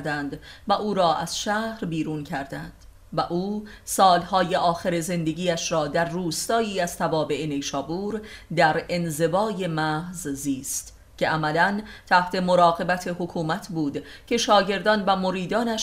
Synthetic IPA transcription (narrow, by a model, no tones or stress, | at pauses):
d̪ænd̪væʔuːɾɒːʔæz̥ʃæːhɾbiːɾuːncʰæɾd̪ænd̪̥ | væʔuː | sɒːlhɒːje̞ʔɒːxeɾe̞ze̞nd̪e̞ɡiːæʃɾɒːd̪æɾːuːst̪ɒːiːæz̥t̪ʰævɒːbe̞ʔene̞jʃɒːbuːɾd̪æɾe̞nze̞vɒːje̞mæhzziːst̪ | cʰeʔæmælænt̪ʰæht̪ʰe̞moɾɒːɣe̞bæt̪ʰe̞hokʰuːmæt̪ʰbuːd̪cʰe̞ʃɒːɟe̞ɾd̪ɒːnvæmo̞ɾiːd̪ɒːnæʃ